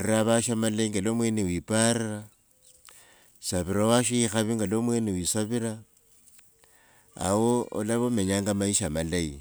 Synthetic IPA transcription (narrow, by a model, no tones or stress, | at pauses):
riaβaʃamaleŋɡelomwe̞newiːpaɾira | saβiɾawaʃiixaβiŋɡalomwenewisaβiɾa | woo̰laβome̞ɲaːŋɡamaiʃamalaḭ